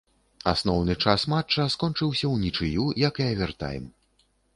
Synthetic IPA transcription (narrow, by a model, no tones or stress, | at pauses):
a̰snɔwnɨt͡ʂasmat͡ʂːɐskɔnt͡ʂɨwsʲɐwnʲit͡ʂɨjujɐkɐvʲart̪a̰jɛ̰m